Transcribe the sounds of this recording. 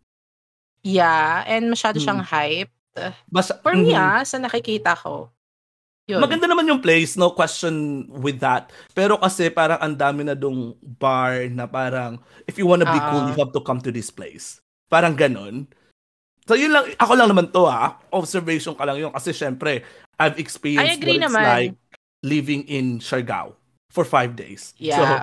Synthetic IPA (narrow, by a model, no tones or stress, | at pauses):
jaʔɛnd̪̚mɐʃaːd̪oʃɐŋhajp̚t̪mɐfɐɹmasɐnɐkɪkiːt̪ɐko̰ | jomɐɡɐnd̪anɐmanjʊŋplejsnowkwɛst͡ʃonwɪðːɐt̪̚pɛːɾo̞kɐsɛpaːɾɐŋʔɐnd̪aːmɪnɐd̪ʊŋbaɹnɐpaːɾɐŋ | ʔɪfjuwãnt̪ɐbikuljʊɦav̚t̪ʊkɐmt̪ʊðɪsplḛjs | paːɾɐŋɡɐno̞n | sojʊnlɐŋʔɐkolɐŋnɐmant̪o̞ʔaʔɔbsɛɹvɛjʃonkɐlɐŋjonkɐsɛʃɛmpɾɛ | ʔajvɛkspiɹjɾialajk̚ | livɪ̃ŋʔɪnʃɐɹɡa̰w | fɔɹfajvd̪ḛjsjso